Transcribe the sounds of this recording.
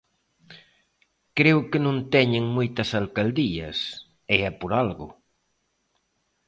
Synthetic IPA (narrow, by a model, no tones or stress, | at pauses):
kɾewkɪnõnt̪ɛɲɪŋmojt̪ɐsalkald̪iɐ̰s | ɪɛpoɾalɣʊ